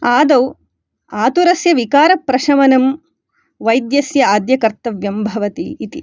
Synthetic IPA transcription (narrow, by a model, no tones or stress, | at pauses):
aːd̪ɐw | aːt̪uɾɐsjɐʋikaːɾɐpɾɐʃɐmɐnɐm | ʋɐjd̪jɐsjɐaːd̪jɐkɐɾt̪ɐʋjɐmbʱɐʋɐt̪ḭːt̪i